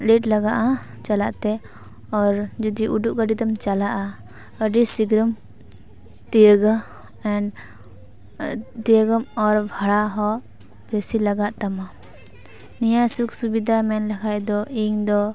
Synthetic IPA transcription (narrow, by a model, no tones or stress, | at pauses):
leʈlɐɡaʔã | t͡ʃalaʔt̪ɛ | ɔɾd͡ʒud̪iʔuɖuʔkəɖit̪əmt͡ʃalaʔa | əɖisiɡɾəm | t̪iəɡə | ɛɳ | t̪iəɡəmɔɾbʱaɽaɦɔ | besilɐɡaʔt̪ama | nijasuksubid̪ʱamɛnlɐkʰajd̪ɔiŋd̪ɔ